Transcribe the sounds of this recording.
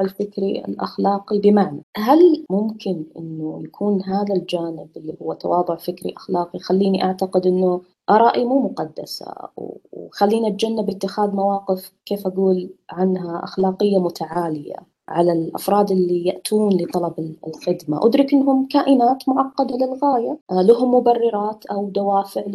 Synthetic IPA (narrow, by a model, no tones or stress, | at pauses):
ɪlfɪkɾiɪ̰lʔa̰xlɑːqibɪmaʕnaɦalmʊmkɪnʔɪ̰nːʊjakʰuːnɦaːðald͡ʒaːnɪbɪlːihʊwːat̪ɑ̰wɑːðˤʊʕfɪkɾḭʔḁxlɑːqixalːiːniʔaʕt̪aqɪd̪ʔɪnːʊ | ʔɑɾˤɑːʔimuːmʊqɑd̪ːa̰sa̰wxalːiːniʔat̪̚d͡ʒanːabɪt̪ːɪxaːðmawɑːqɪfkeːfʔaɡuːlʕanɦaʔa̰xlaːqɪjːamʊt̪aʕaːlɪja̰ | ʕalalʔa̰fɾˤɑːd̪ʔɪlːijaʔt̪ʰuːnlɨt̪ˤɑlɑbɪlxɪd̪ma̰ʔʊd̪ɾɪkʔɪnːɦʊmkaːʔɪnaːt̪mʊʕɑqːɑd̪alɪlɣaːjalaɦʊmːʊbɑrːɪɾˤɑːt̪ʔawd̪awaːfɪʕ